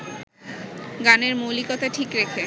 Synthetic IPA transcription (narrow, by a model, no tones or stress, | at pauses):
ɡaneɾmolikɔt̪aʈʰikɾekʰe